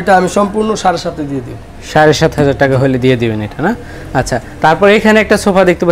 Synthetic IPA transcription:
ʈaamiʃɔmpuɾnoʃaɾeʃat̪ʰed̪ied̪ibo | ʃaɾeʃat̪ɦɔd͡ʑaɾʈakaɦojled̪ied̪ibeneʈana | atːɕʰat̪aɾpɔɾekʰaneɛk̚ʈasopʰad̪ek̚t̪epa

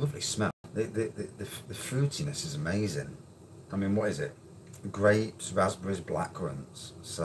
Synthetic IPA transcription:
lʊvlḭsmɛlðəðəðəðəðəfɹʉˑtʰɪnəsɪzəmeɪzɪ̰̃ŋ | aɪmĩːnwɒtɪzɪʔ | ɡ̥ɹeɪpsɹazbəɹɪzbla̰kʰɹə̰̃ntsso

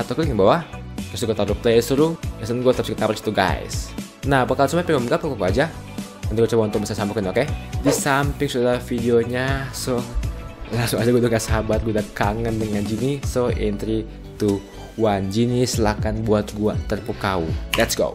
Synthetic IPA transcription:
at̪awkuŋŋbawa | t̪ɾʊst̪uɡat̪aɾup̚lesuɾuɛsənɡuat̪əɾʊskit̪apɾst̪uɡa̰ɪ̰s | naapakalsumapiŋɡaməŋɡap̚kakakuad͡ʒa | əniɡuat͡ʃabant̪ʊbisasampɪkənokedisampɪŋsudaɾafideoɲaso | laŋsʊŋad͡ʒaɡuadaɡasabatɡuadakaŋəndəŋand͡ʒinisoʔent̪ɾi | t̪u | wand͡ʒinislakanbuat̪̚ɡuat̪ərpukaulɛtsɡo̰

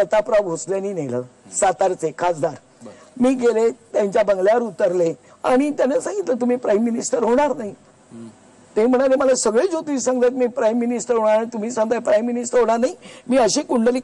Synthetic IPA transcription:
sət̪apɾabɦosljaniːnelə̰ːsat̪aɾt͡sekʰat͡sd̪aɾ | miːɡelet̪jãɲt͡ɕjabəŋɡljaʋəɾut̪əɾle | aɽ̃it̪janasãŋɡit̪lət̪um̤iːpɾajmːinisʈəɾɦoɽ̃aɾnaɦi | t̪em̤əɽ̃aɾeməlasəɡɭed͡ʑot̪iːsãɡt̪ajt̪̚miːpɾajmːinisʈəɾɦoɽ̃aɾanit̪um̤iːsãŋɡt̪ajpɾajmːinisʈəɾɦoɳ̃aɾnaɦimiːəɕikuɳɖəli

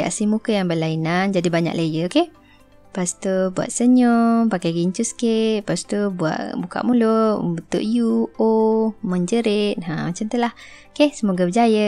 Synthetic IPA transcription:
a̰ʔsimukəjaŋbəlainand͡ʒadibaɲa̰ʔləjəkeh | past̪obua̰ʔ̪səɲopakajɡiɲt͡ʃusə̥keʔ̪̚past̪obua̰ʔbuka̰ʔmuloʔbət̪o̰ʔjuomə̃ɲd͡ʒəɾet̪̚ɦãmat͡ʃamt̪əlah | kehsəmoɡabəd͡ʒajə

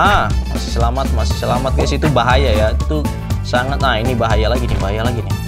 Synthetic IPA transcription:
ʔama̰sɪ̥səlamat̪̚masi̥səlamat̪̚kasit̪ubaɦajajait̪u | saŋat̪nainibaɦajalaɡinibaɦajalaɡinɪ

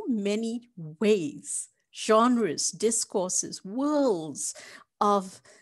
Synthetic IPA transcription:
mɛniweɪz̥ | ʒ̥ɑ̃nɹɨsdɪskɔɹsɨ̰zwɜ˞lˠdz̥ | ʌv

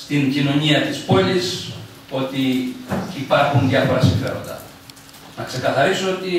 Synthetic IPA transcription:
st̪iɲcino̞ɲiɐt̪ispo̞lis | o̞t̪iː | pɐɾxunðʝjɐfo̞ɾɐsiɱfe̞ɾo̞̰nd̪ɐ̰ | nɐkse̞kɐθɐɾisoo̞t̪i

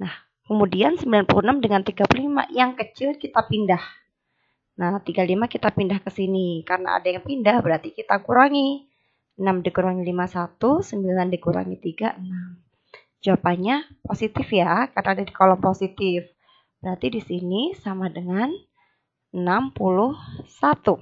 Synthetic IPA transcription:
nah | kəmudiansəmbilanpulunamdəŋant̪iɡapululima̰jaŋkət͡ʃɪlkit̪apindah | naht̪iɡalimakit̪apindahkəsinikarəna̰a̰dajaŋpindahbəɾart̪ikit̪akuɾaŋi | ənamdikuɾaŋilimasat̪usəmbilandikuɾa̰ŋit̪iɡa̰ʔənam | d͡ʒuapaɲaposit̪ɪfjakarnaːdadikolɔŋposit̪ɪf | b̥əɾart̪idisinisamadəŋan | ənampulʊhsat̪u

